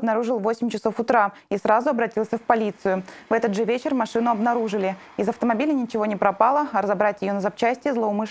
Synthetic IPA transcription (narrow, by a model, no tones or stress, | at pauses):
bnɐɾuʐɨlˠvosʲɪmʲt͡ɕɪso̞fʊt̪ɾa | isɾazʊɐbɾɐtʲilˠsʲəfpɐlʲit̪sɨjʊvɛt̪əd̪ʐɨvʲet͡ɕɪrmɐʂɨnʊɐbnɐɾuʐɨlʲɪ | ɪzɐft̪əmɐbʲilʲɪnʲɪt͡ɕɪvo̞nʲɪpɾɐpalˠəɐɾəzɐbɾatʲjɪjonəzɐp̚t͡ɕæsʲtʲɪjəzlˠəʊmɨʂ